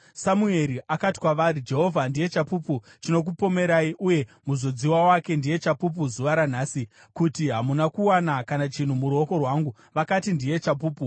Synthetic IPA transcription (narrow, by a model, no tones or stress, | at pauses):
samue̞ɾiʔakati̥kwaʋaɾid͡ʒe̞ɦo̞vʱandije̞t͡ʃapuput͡ʃino̞k̬upo̞me̞ɾaiʔuje̞muzo̞d͡ziwawake̞ndije̞t͡ʃapup̬uzuʋaɾan̤aːsi | kutiɦamunakuwanakanat͡ʃin̤umuɾo̞ko̞rwaŋɡu | ʋakatindije̞t͡ʃap̬uːpu